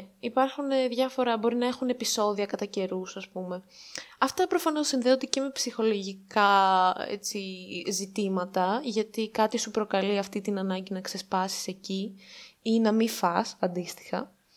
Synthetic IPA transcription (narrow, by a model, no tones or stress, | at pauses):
ipɐɾxuneðʝɐfo̞ɾɐbo̞ɾinɐe̞xune̞piso̞ðiɐkɐt̪ɐce̞ɾusɐspume̞ɐft̪ɐpɾo̞fɐno̞sːinðeot̪eceme̞psixo̞lo̞ʝikɐḛt͡sizit̪imɐt̪ɐʝɐt̪ikɐt̪isupɾo̞kɐliɐft̪it̪inɐnɐɲɟinɐkse̞spɐsi̥se̞ciinɐmifɐsɐnd̪ist̪i̥xɐ̰